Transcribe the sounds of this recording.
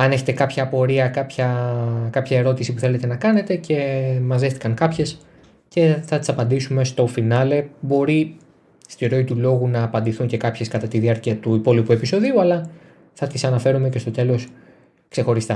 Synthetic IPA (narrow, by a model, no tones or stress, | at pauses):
ɐneçe̞t̪ekɐpçɐpo̞ɾiɐkɐpçɐkɐpçɐe̞ɾo̞t̪isipuθe̞le̞t̪e̞nɐkɐne̞t̪e̞ce̞mɐzðest̪i̥kɐŋkɐpçe̞s | ce̞θɐt̪i̥sɐpɐnd̪isume̞st̪o̞finɐle̞bo̞ɾi | st̪iɾo̞it̪ulo̞ɣunɐːpɐnd̪iθuɲce̞kɐpçe̞skɐt̪ɐt̪iðiɐɾciɐt̪uipo̞lipue̞piso̞ðiuɐlɐ | θɐt̪isɐnɐfe̞ɾume̞cest̪o̞t̪e̞lo̞s | ksexo̞ɾist̪ɐ